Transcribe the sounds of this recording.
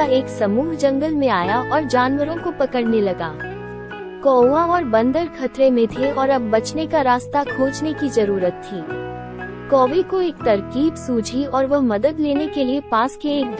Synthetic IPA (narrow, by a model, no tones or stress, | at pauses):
aeːksɐmuːɦd͡ʒɐ̃ŋɡəlmẽaːjaʔɔːɾd͡ʒaːnʋəɾõkopɐkəɽnelɐɡaː | kɔːãɔːɾbɐ̃nd̪əɾkʰɐt̪ɾemẽt̪ʰeɔːɾɐbːɐt͡ʃnekaɾaːst̪akʰoːd͡ʒnekizɐɾuːɾət̪ʰːiː | kɔːʋikoeːk̚t̪ɐɾkiːbsuːt͡ʃʰiɔːɾʋɐɦmɐd̪əd̪leːnekeliepaːskeːk̚d̪